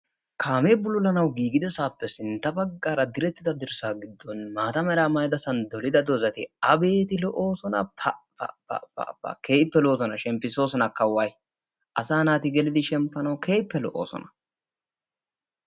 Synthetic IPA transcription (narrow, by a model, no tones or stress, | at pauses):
kʰaːme̞ːbʊlʊlɐnɐwɡiːɡɪd̪ɛsaːpːɛsɪnt̪ːɐbɐɡːaːɾɐd̪ɪɾɛt̪ːɪd̪ɐd̪ɪɾsaːɡɪd̪ːɔnmaːt̪ɐmɛɾaːmɐjd̪ɐsɐnd̪ɔlɪd̪ɐd̪ozɐt̪ɪɐbe̞ːt̪ɪlɔʔo̞ːsɔnɐ̰ɐ | ɐ̰ | ɐ̰ɐ̰ɐ̰ke̞ːpːɛloːzɔnɐʃɛmpːɪso̞ːsɔnɐkɐwːaːj | ʔɐsaːnaːt̪ɪɡɛlɪd̪ɪʃɛmpːɐnɐwkʰe̞ːjpːɛlɔ̰ʔoːsɔ̰nɐ̥